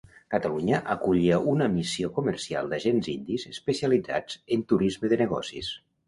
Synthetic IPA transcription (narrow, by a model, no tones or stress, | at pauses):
kət̪əluɲəʔəkuʎiəʔunəmisiokumərsia̰lˠd̪əʒenzind̪izəspəsiəlid͡za̰d͡zənt̪uɾizməðənəɣɔ̰sḭs